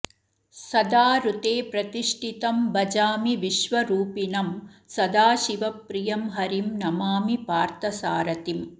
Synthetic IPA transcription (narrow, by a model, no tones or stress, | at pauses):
sɐd̪aːɾut̪eːpɾɐt̪iʂʈʰit̪ɐmbɐd͡ʒaːmiʋiʃʋɐɾuːpinɐmsɐd̪aːʃiʋɐpːɾijɐmɦɐɾimnɐmaːmipaːɾt̪ɐsaːɾɐt̪im